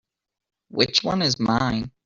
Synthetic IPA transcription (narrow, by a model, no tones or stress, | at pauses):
wɪt͡ʃwʌ̰̃nɨzmãɪ̃n